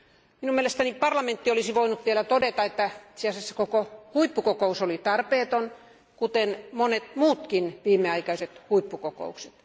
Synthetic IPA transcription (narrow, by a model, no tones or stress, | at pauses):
minumielest̪ænipɑrlɑment̪ːiolisiʋoinut̪ʋielæt̪odet̪ɑet̪ːæit̪seɑsesːɑkokohuipːukokousolit̪ɑrpeːt̪on | kut̪enmonet̪muːt̪kinʋiːmːˑeɑikɑiset̪huipːukoko̰ukset̪